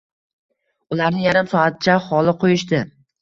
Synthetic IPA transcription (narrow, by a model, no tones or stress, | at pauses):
ʊlaɾnɪjaɾɪmsɒat̪ɪt͡ʃʰaχɒlˠɪqʰojɪʃt̪ɪ